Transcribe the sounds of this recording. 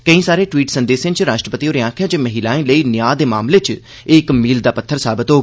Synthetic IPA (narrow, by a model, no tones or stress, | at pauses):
kəĩːsaːɾeːʈwiːʈsənd̪eːsẽnt͡ʃɾaːʃʈɾəpət̪ioːɾeãːkʰjãːt͡ʃeməɦiːlaːẽːləiːnɪjaːd̪eːmaːmleːt͡ʃ | ɪkmiːld̪aːpət̪ʰːəɾsaːbɪt̪ɦoː